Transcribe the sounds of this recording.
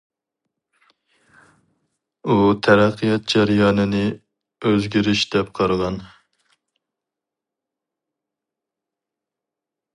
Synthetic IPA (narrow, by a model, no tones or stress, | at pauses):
ut̪ʰæɾæqʰːɨjɑt̪̚d͡ʒæɾjɑːnɨnɨ | øzɡʲiɾɪʃd̪̥ɛp̚qʰɑɾəʁɑn